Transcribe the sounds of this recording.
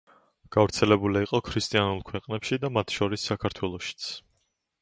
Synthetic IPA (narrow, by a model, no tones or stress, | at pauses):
ɡ̥avɾt̪sʰɛlɛbuliiqʼɔkʰɾist̪ʼianulˠkʰwɛqʼnɛpʃid̪amat̪ʰʃɔɾisːakʰaɾt̪ʰwɛlˠɔʃi̥t̪sʰ